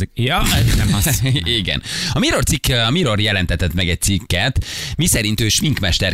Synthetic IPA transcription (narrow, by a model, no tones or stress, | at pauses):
jnɛmɒiɡɛ̰nɒmiɾo̞rt̪sikːɒmiɾo̞rjɛlɛnt̪ɛt̪ɛt̪mɛɡɛc̚t̪sikːɛt̪misɛɾint̪øːʃmiŋkmɛʃt̪ɛr